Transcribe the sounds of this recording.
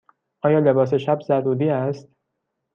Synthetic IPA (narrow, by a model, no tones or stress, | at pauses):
ʔɒːjɒːle̞bɒːs̬e̞ʃæbzæɾuːd̪iːæst̪̚